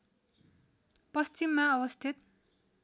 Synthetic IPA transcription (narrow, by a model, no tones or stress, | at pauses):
pʌst͡ɕimːaʌwʌst̪ʰit̪